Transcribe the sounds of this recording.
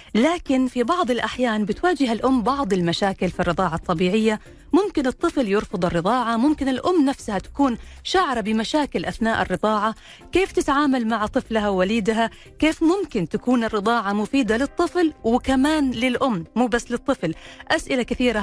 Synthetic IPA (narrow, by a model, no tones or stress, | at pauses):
laːkɪnfibɑʕðˤɪlʔaħjaːnbɪt̪waːd͡ʒɪɦalʔʊmːbɑʕd̪ˤɪlmaʃaːkɪlfirːɨðˤɑːʕɑt̪ˤːɑbiːʕɪjːa | mʊmkɪnɨt̪ˤːɨfljɪɾfʊd̪ˤɨrːɨðˤɑːʕɑmʊmkɪnɪlʔʊmːnafsahat̪ḁkuːnʃaʕɾˤɑbɪmaʃaːkɪlʔaθnaːʔɪ̰rːɨd̪ˤɑːʕa | keːft̪ɪt̪ʕaːmalmaʕt̪ˤɨflaɦawaliːd̪ɦa | keːfmʊmkɪnt̪akuːnɨrːɨd̪ˤɑːʕɑmʊfiːd̪alɨt̪ˤːɨflwɪkamaːnlɪlʔʊmːmuːbasːlɨt̪ˤːɨflʔasʔɪlakɪθiːɾa